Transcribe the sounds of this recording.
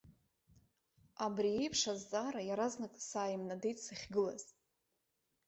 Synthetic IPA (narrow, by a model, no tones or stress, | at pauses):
abriejpʰʂazːʼaːɾajaɾaznakʼsaːjmnadejtʼsaχʲɡɨla̰z̥